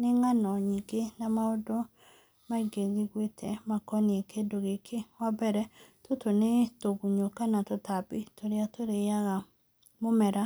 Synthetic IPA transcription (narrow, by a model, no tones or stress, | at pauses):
neŋanɔɲiɡenamaodo | maiɡeɣiɣwetʰɛmakɔneekedoɣekʰewabɛɾɛtotonetoɣuɲokanatotapitoɾeatoɾeaɣa | momɛɾa